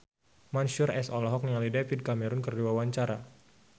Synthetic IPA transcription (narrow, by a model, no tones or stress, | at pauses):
manʃʊrɛsɔlɔɦɔk̚niŋalidefid̚kamɛɾɔnkərduwawaɲt͡ʃaɾa